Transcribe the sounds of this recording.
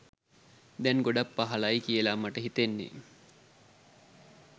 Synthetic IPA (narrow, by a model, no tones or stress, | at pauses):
d̪ɛŋɡoɖapːaɦɐlajkiəlamaʈəɦit̪enːḛ